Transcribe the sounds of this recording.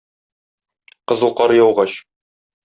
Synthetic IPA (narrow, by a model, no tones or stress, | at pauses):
qɤ̆zɤ̆lˠqɑɾjɒwʁɑɕ